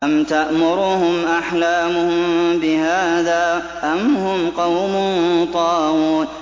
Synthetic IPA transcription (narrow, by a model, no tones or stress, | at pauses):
ʔamt̪aʔmʊɾuːhʊmʔaħlaːmʊhʊmbɪhaːðaː | ʔamhʊmqɑwmʊnt̪ˤɑːʔuːn